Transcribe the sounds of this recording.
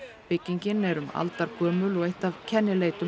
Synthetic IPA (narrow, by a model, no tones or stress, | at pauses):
pɪcːiɲcɪnɛɾʏma̰lt̪aɾkʰœːmʏlɔɣeht̪avcʰɛnːɪleːjt̪ʏ